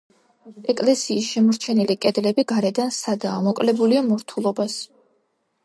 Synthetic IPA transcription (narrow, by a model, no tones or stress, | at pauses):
ɛkʼlɛsiːsʃɛmɔɾt͡ʃʰɛnilikʼɛd̪lɛbiɡaɾɛd̪ansad̪aːmɔkʼlɛbuliamɔɾt̪ʰulˠɔbas